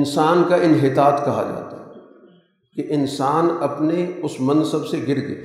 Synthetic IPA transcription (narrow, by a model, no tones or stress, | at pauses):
nsaːnkaʔɪnɦɪt̪aːt̪kɐɦa̰d͡ʒa̰ːt̪a̰ɦɛ | keʔɪnsaːnɐpneʊsmɐ̃nsəbseɡɪɾd̪ḛː